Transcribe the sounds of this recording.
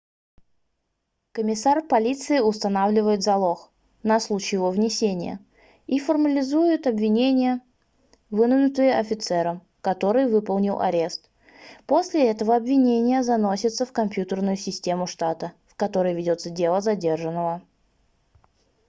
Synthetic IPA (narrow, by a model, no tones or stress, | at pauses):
kəmʲɪsarpɐlʲit̪sɨɪʊst̪ɐnavlʲɪvəjɪt̪zɐlˠo̞x | nɐslˠut͡ɕɪjɪvovnʲɪsʲenʲɪ̰jə̰ | ifərməlʲɪzujʊt̪ɐbvʲɪnʲenʲɪjə | vɨnʊvnʊt̪ɨjəʔɐfʲɪt̪sɛɾəm | kɐt̪o̞ɾɨjvɨpəlˠnʲɪlˠʔɐ̰ɾʲe̞st̪ | posʲlʲɪɛt̪əvəɐbvʲɪnʲenʲɪjəzɐno̞sʲɪt̪səfkɐmpʲjut̪ərnʊjʊsʲɪsʲtʲe̞mʊʂt̪at̪əfkɐt̪o̞ɾəjvʲɪdʲo̞t̪sədʲe̞lˠəzɐdʲe̞rʐənːəvə